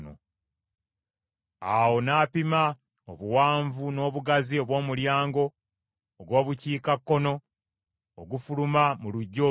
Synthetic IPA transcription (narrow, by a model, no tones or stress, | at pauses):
no̰ | awo̞naːpima | oβuwaːɱvuno̞ːβuɡazio̞βwo̞ːmuljaːŋɡo̞ː | ɡwo̞ːβuciːkakːo̞no̞ː | ɡufulumamuluɟːo̞ː